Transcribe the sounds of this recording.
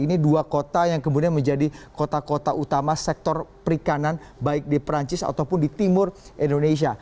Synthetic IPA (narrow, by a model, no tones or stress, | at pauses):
iniduakot̪ajaŋkəmudianməɲd͡ʒadikot̪akot̪aʔut̪amasɛk̚t̪ɔrpəɾikanan | baɪk̚dipɾaɲt͡ʃɪsa̰t̪awpʊndit̪imʊrindones̬ia